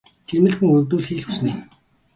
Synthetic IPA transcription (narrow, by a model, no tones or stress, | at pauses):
t͡ɕ̪ʰirmɘ̆ɮxɘ̆ŋɵnt̪uːɮxiːɮxusniː